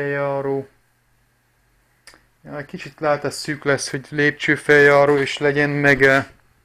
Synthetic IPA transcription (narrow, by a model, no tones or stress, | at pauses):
ɛjɒːɾoː | jɒɛckit͡ʃit̪laːt̪ɒsyːklɛsho̞ɟleːp̚t͡ʃøːfɛjɒːɾoːeːʃlɛɟɛnmɛɡɛl